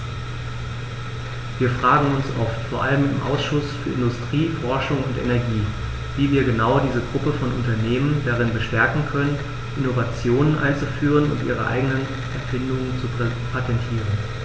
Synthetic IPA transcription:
viːɐfʁ̥aːɡŋ̩ʊnsʔɔftfoːɐʔa̰ləmɪmʔa̰ʊsʃʊsfyːɐɪndʊstʁ̥iːfɔɐʃʊŋʊntʔɛ̰nɛɐɡiː | viːviːɐɡənaʊdiːzəɡʁʊpəfɔnʔʊntɐneːməndaʁɪnbəʃtɛɐkŋ̩kʰœnən | ʔɪnovat͡sjoːnənʔa̰ɪnt͡sufyːʁ̞ənʊ̰ntʔḭːʁ̞əʔa̰ɪɡənən | ʔɛɐfɪndʊŋənt͡supʰatʰɛntʰiːʁən

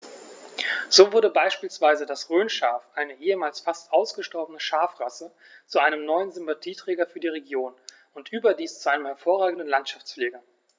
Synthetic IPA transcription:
z̥oːvʊɐdəbaɪʃpiːlsv̥aɪzədasʁøːnʃaɐfʔaɪnəʔeːəmaːlsfastʔaʊsɡ̥əʃtɔɐbənəʃaɐfʁasə | t͡suʔaɪnəmnɔʏənzʏmpatʰiːtʁ̥ɛːɡɐfyːɐdiːʁ̞eɡjoːn | ʊntʔyːbɐdiːst͡suʔaɪnəmhɛɐfoːɐʁ̞aːɡŋ̩dən̩lantʃaft͡sfleːɡɐ

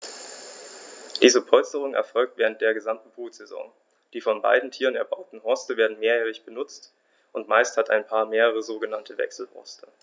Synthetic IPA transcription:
d̥iːzəpʰɔlstəʁ̞ʊŋɛ̰ɐfɔlk̚tv̥eːʁnt̚d̥eːɐɡəzamtn̩buːtz̥ɛzɔ̰ŋ | d̥iːfɔnba̰ɪdn̩tʰiːʁənɛɐbaʊtn̩ɦɔɐstəveːɐdn̩meːɐjɛːʁɪçb̥ənʊt͡st | ʔʊntmaɪsthatʰa̰ɪnpʰaːɐmeːʁəʁ̞əzoːɡənantʰəvɛ̰ksl̩hɔ̰ɐstʰə

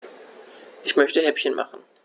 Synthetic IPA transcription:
ʔɪçmœçtəɦɛpçənmʔa̰χn̩

